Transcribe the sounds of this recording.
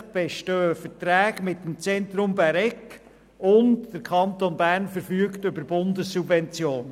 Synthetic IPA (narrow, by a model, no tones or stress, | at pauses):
b̥ɛʃtøːəfətɾæːɡmɪtːəmt͡sɛntɾʊmbæɾɛk | ʊntd̥əɾkʰɑnt̪onbæːɾnfəɾfyːktʏbəɾbʊndəsːubvɛnt͡sjoːn